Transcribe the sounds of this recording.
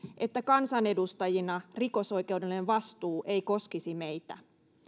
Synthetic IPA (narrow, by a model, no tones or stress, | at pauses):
ʔe̞t̪ːækɑnsɑnedust̪ɑjinɑriko̞so̞ike̞uwdelːeʋʋɑst̪uːʔeiko̞skisimeit̪æ̰